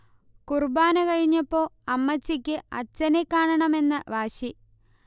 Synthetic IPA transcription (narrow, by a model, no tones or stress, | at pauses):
kurbaːnɐkɐɻiɲːɐpːo̞ːɐmːɐt͡ɕːikʲːɨɐ̰t͡ɕːɐnekːaːɳɐɳɐme̞nːɨʋaːɕi